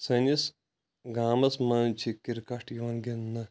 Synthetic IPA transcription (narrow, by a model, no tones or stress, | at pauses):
sɐnʲis | ɡaːmɐsmɐnt͡ʃʰikiɾkɐʈjiʋɐnɡinːɐ